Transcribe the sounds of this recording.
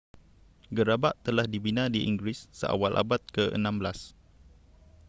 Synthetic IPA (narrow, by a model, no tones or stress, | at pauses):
ɡəɾabaʔt̪əlahdibinãdiʔḭŋɡɾisːə̰ʔa̰walʔa̰bat̪̚kəʔə̰nãmbəlas